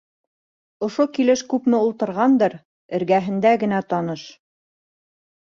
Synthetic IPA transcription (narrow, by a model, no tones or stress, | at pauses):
ŏʃokilɘʃkʉpmɘulˠt̪ɤ̆ɾʁɑnd̪ɤɾ | ɘ̆ɾɡæɦɘ̆nd̪æɡɘ̆næt̪ɑnɤʃ